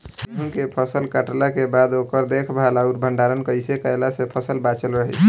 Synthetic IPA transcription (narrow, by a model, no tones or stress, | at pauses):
eɦunkepʰəsəlkəʈlakebad̪okəɾd̪ekʰbʱalauɾbʱəɳɖaɾənkəjsekəelasepʰəsəlbat͡ʃəlɾəɦət͡ʃʰ